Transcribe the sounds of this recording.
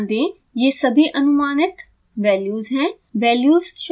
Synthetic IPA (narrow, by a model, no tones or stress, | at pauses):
nd̪ẽː | jeːsɐbʱiʔɐnʊmaːnɪt̪ | ʋɛːljuːzɦɛ̃ː | ʋɛːljuːzʃ